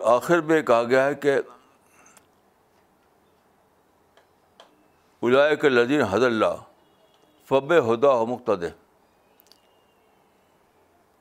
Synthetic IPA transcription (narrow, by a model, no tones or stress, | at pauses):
aːxɪɾbẽkɐɦaɡɐjaɦɛke | ʊlaːɪkelɐd̪iːnɦɐd̪əɾlːa̰ː | fɐbeɦʊd̪aomʊq̚t̪əd̪e